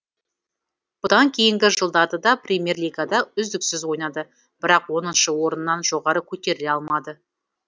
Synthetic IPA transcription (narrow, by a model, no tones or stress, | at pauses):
b̥ʊd̪ɑŋkʲʰe̞jɪŋɡʲɪʒəlˠd̪ɑd̪əd̪ɑprʲemʲe̞rliɡad̪ɑʏzd̪ɪksɪzwo̞jnɑd̪ə | b̥ɪɾɑqwo̞nənʃəwo̞ɾənːɑnʒo̞ʁɑɾəkʲʰɵt̪e̞ɾɪleɑlˠmɑd̪ə